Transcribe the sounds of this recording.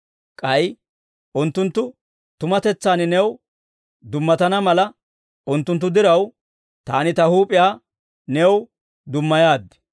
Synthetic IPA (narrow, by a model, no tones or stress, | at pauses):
kʼɐj | ʔʊnt̪ːʊnt̪ːʊ | t̪ʊmɐt̪ɛt͡sːaːnɪnɛw | d̪ʊmːɐt̪ɐnɐmɐlɐ | ʔʊnt̪ːʊnt̪̬ːʊd̪ɪɾɐw | t̪aːnɪt̪ɐhuːpʼɪjaː | nɛw | d̪ʊmːɐjaːd̪ːɛ̥